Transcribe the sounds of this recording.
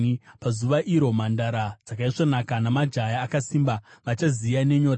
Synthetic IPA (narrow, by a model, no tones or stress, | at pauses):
pazuʋaʔiɾo̞mandaɾad͡zakaiʂo̞nakanamad͡ʒajaːkasimbaʋat͡ʃazijane̞ɲo̞ːt